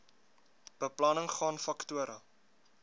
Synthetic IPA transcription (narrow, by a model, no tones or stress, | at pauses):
b̥əplɐnəŋχɑːnfɐktuəɾʔɐ